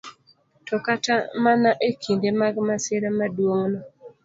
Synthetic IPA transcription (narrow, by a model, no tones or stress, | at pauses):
tɔkatamanaʔekʰindemaɡmasɪɾamadwoŋnɔ